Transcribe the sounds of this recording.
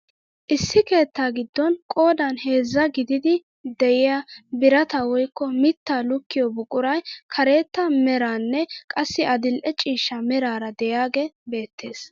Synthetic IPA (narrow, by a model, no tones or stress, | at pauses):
ʔɪsːɪke̞ːt̪ːaːɡɪd̪ːɔnkʼo̞ːd̪ɐnhe̞ːzːɐɡɪd̪ɪd̪ɪ | d̪ɛʔɪjabɪɾɐt̪ɐwɔjkːɔmɪt̪ːaːlʊkːɪjɔbʊkʼʊɾɐjkʰɐɾe̞ːt̪ːɐmɛɾaːnːɛkʼɐsːɪʔɐd̪ɪlʔɛt͡ʃʼiːʃːɐmɛɾaːɾɐd̪ɛjaːɡebe̞ːt̪ːeːs